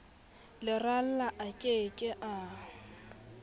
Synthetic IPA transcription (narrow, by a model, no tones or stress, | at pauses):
lɪral̩laʔakʼekʼɪʔa